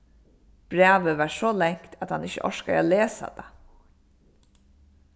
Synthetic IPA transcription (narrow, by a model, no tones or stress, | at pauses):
b̥ɾæːʋəʋaɹʂɔlɛŋ̥kt̪ʰat̪hanɪçəʔɔ̰ʂkaa̰leːsa̰d̪a̰